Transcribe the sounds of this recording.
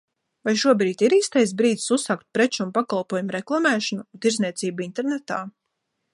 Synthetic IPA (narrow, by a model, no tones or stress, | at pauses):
vajʃuɔbɾiːt̪ʲiɾiːst̪ajs̬bɾiːd̪zisusːaːk̚t̪̚pɾet͡ʃunpakalˠpuɔjumuɾeklˠamɛːʃanut̪iɾzniɛt̪siːbuint̪eɾnet̪aː